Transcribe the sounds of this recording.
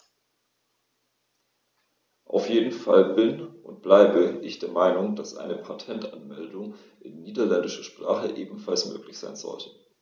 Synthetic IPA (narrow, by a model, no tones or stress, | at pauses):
ʔa̰ʊfjeːdn̩fa̰lbɪnʔʊntb̥laɪbəʔɪçd̥eːɐmaɪnʊŋd̥asʔa̰ɪnəpʰatʰɛntanmɛldʊŋ | ʔɪnːiːdɐlɛndɪʃɐʃpʁ̥aːχəʔeːbm̩falsmø̰ːklɪçz̥aɪnz̥ɔ̰ltʰə̥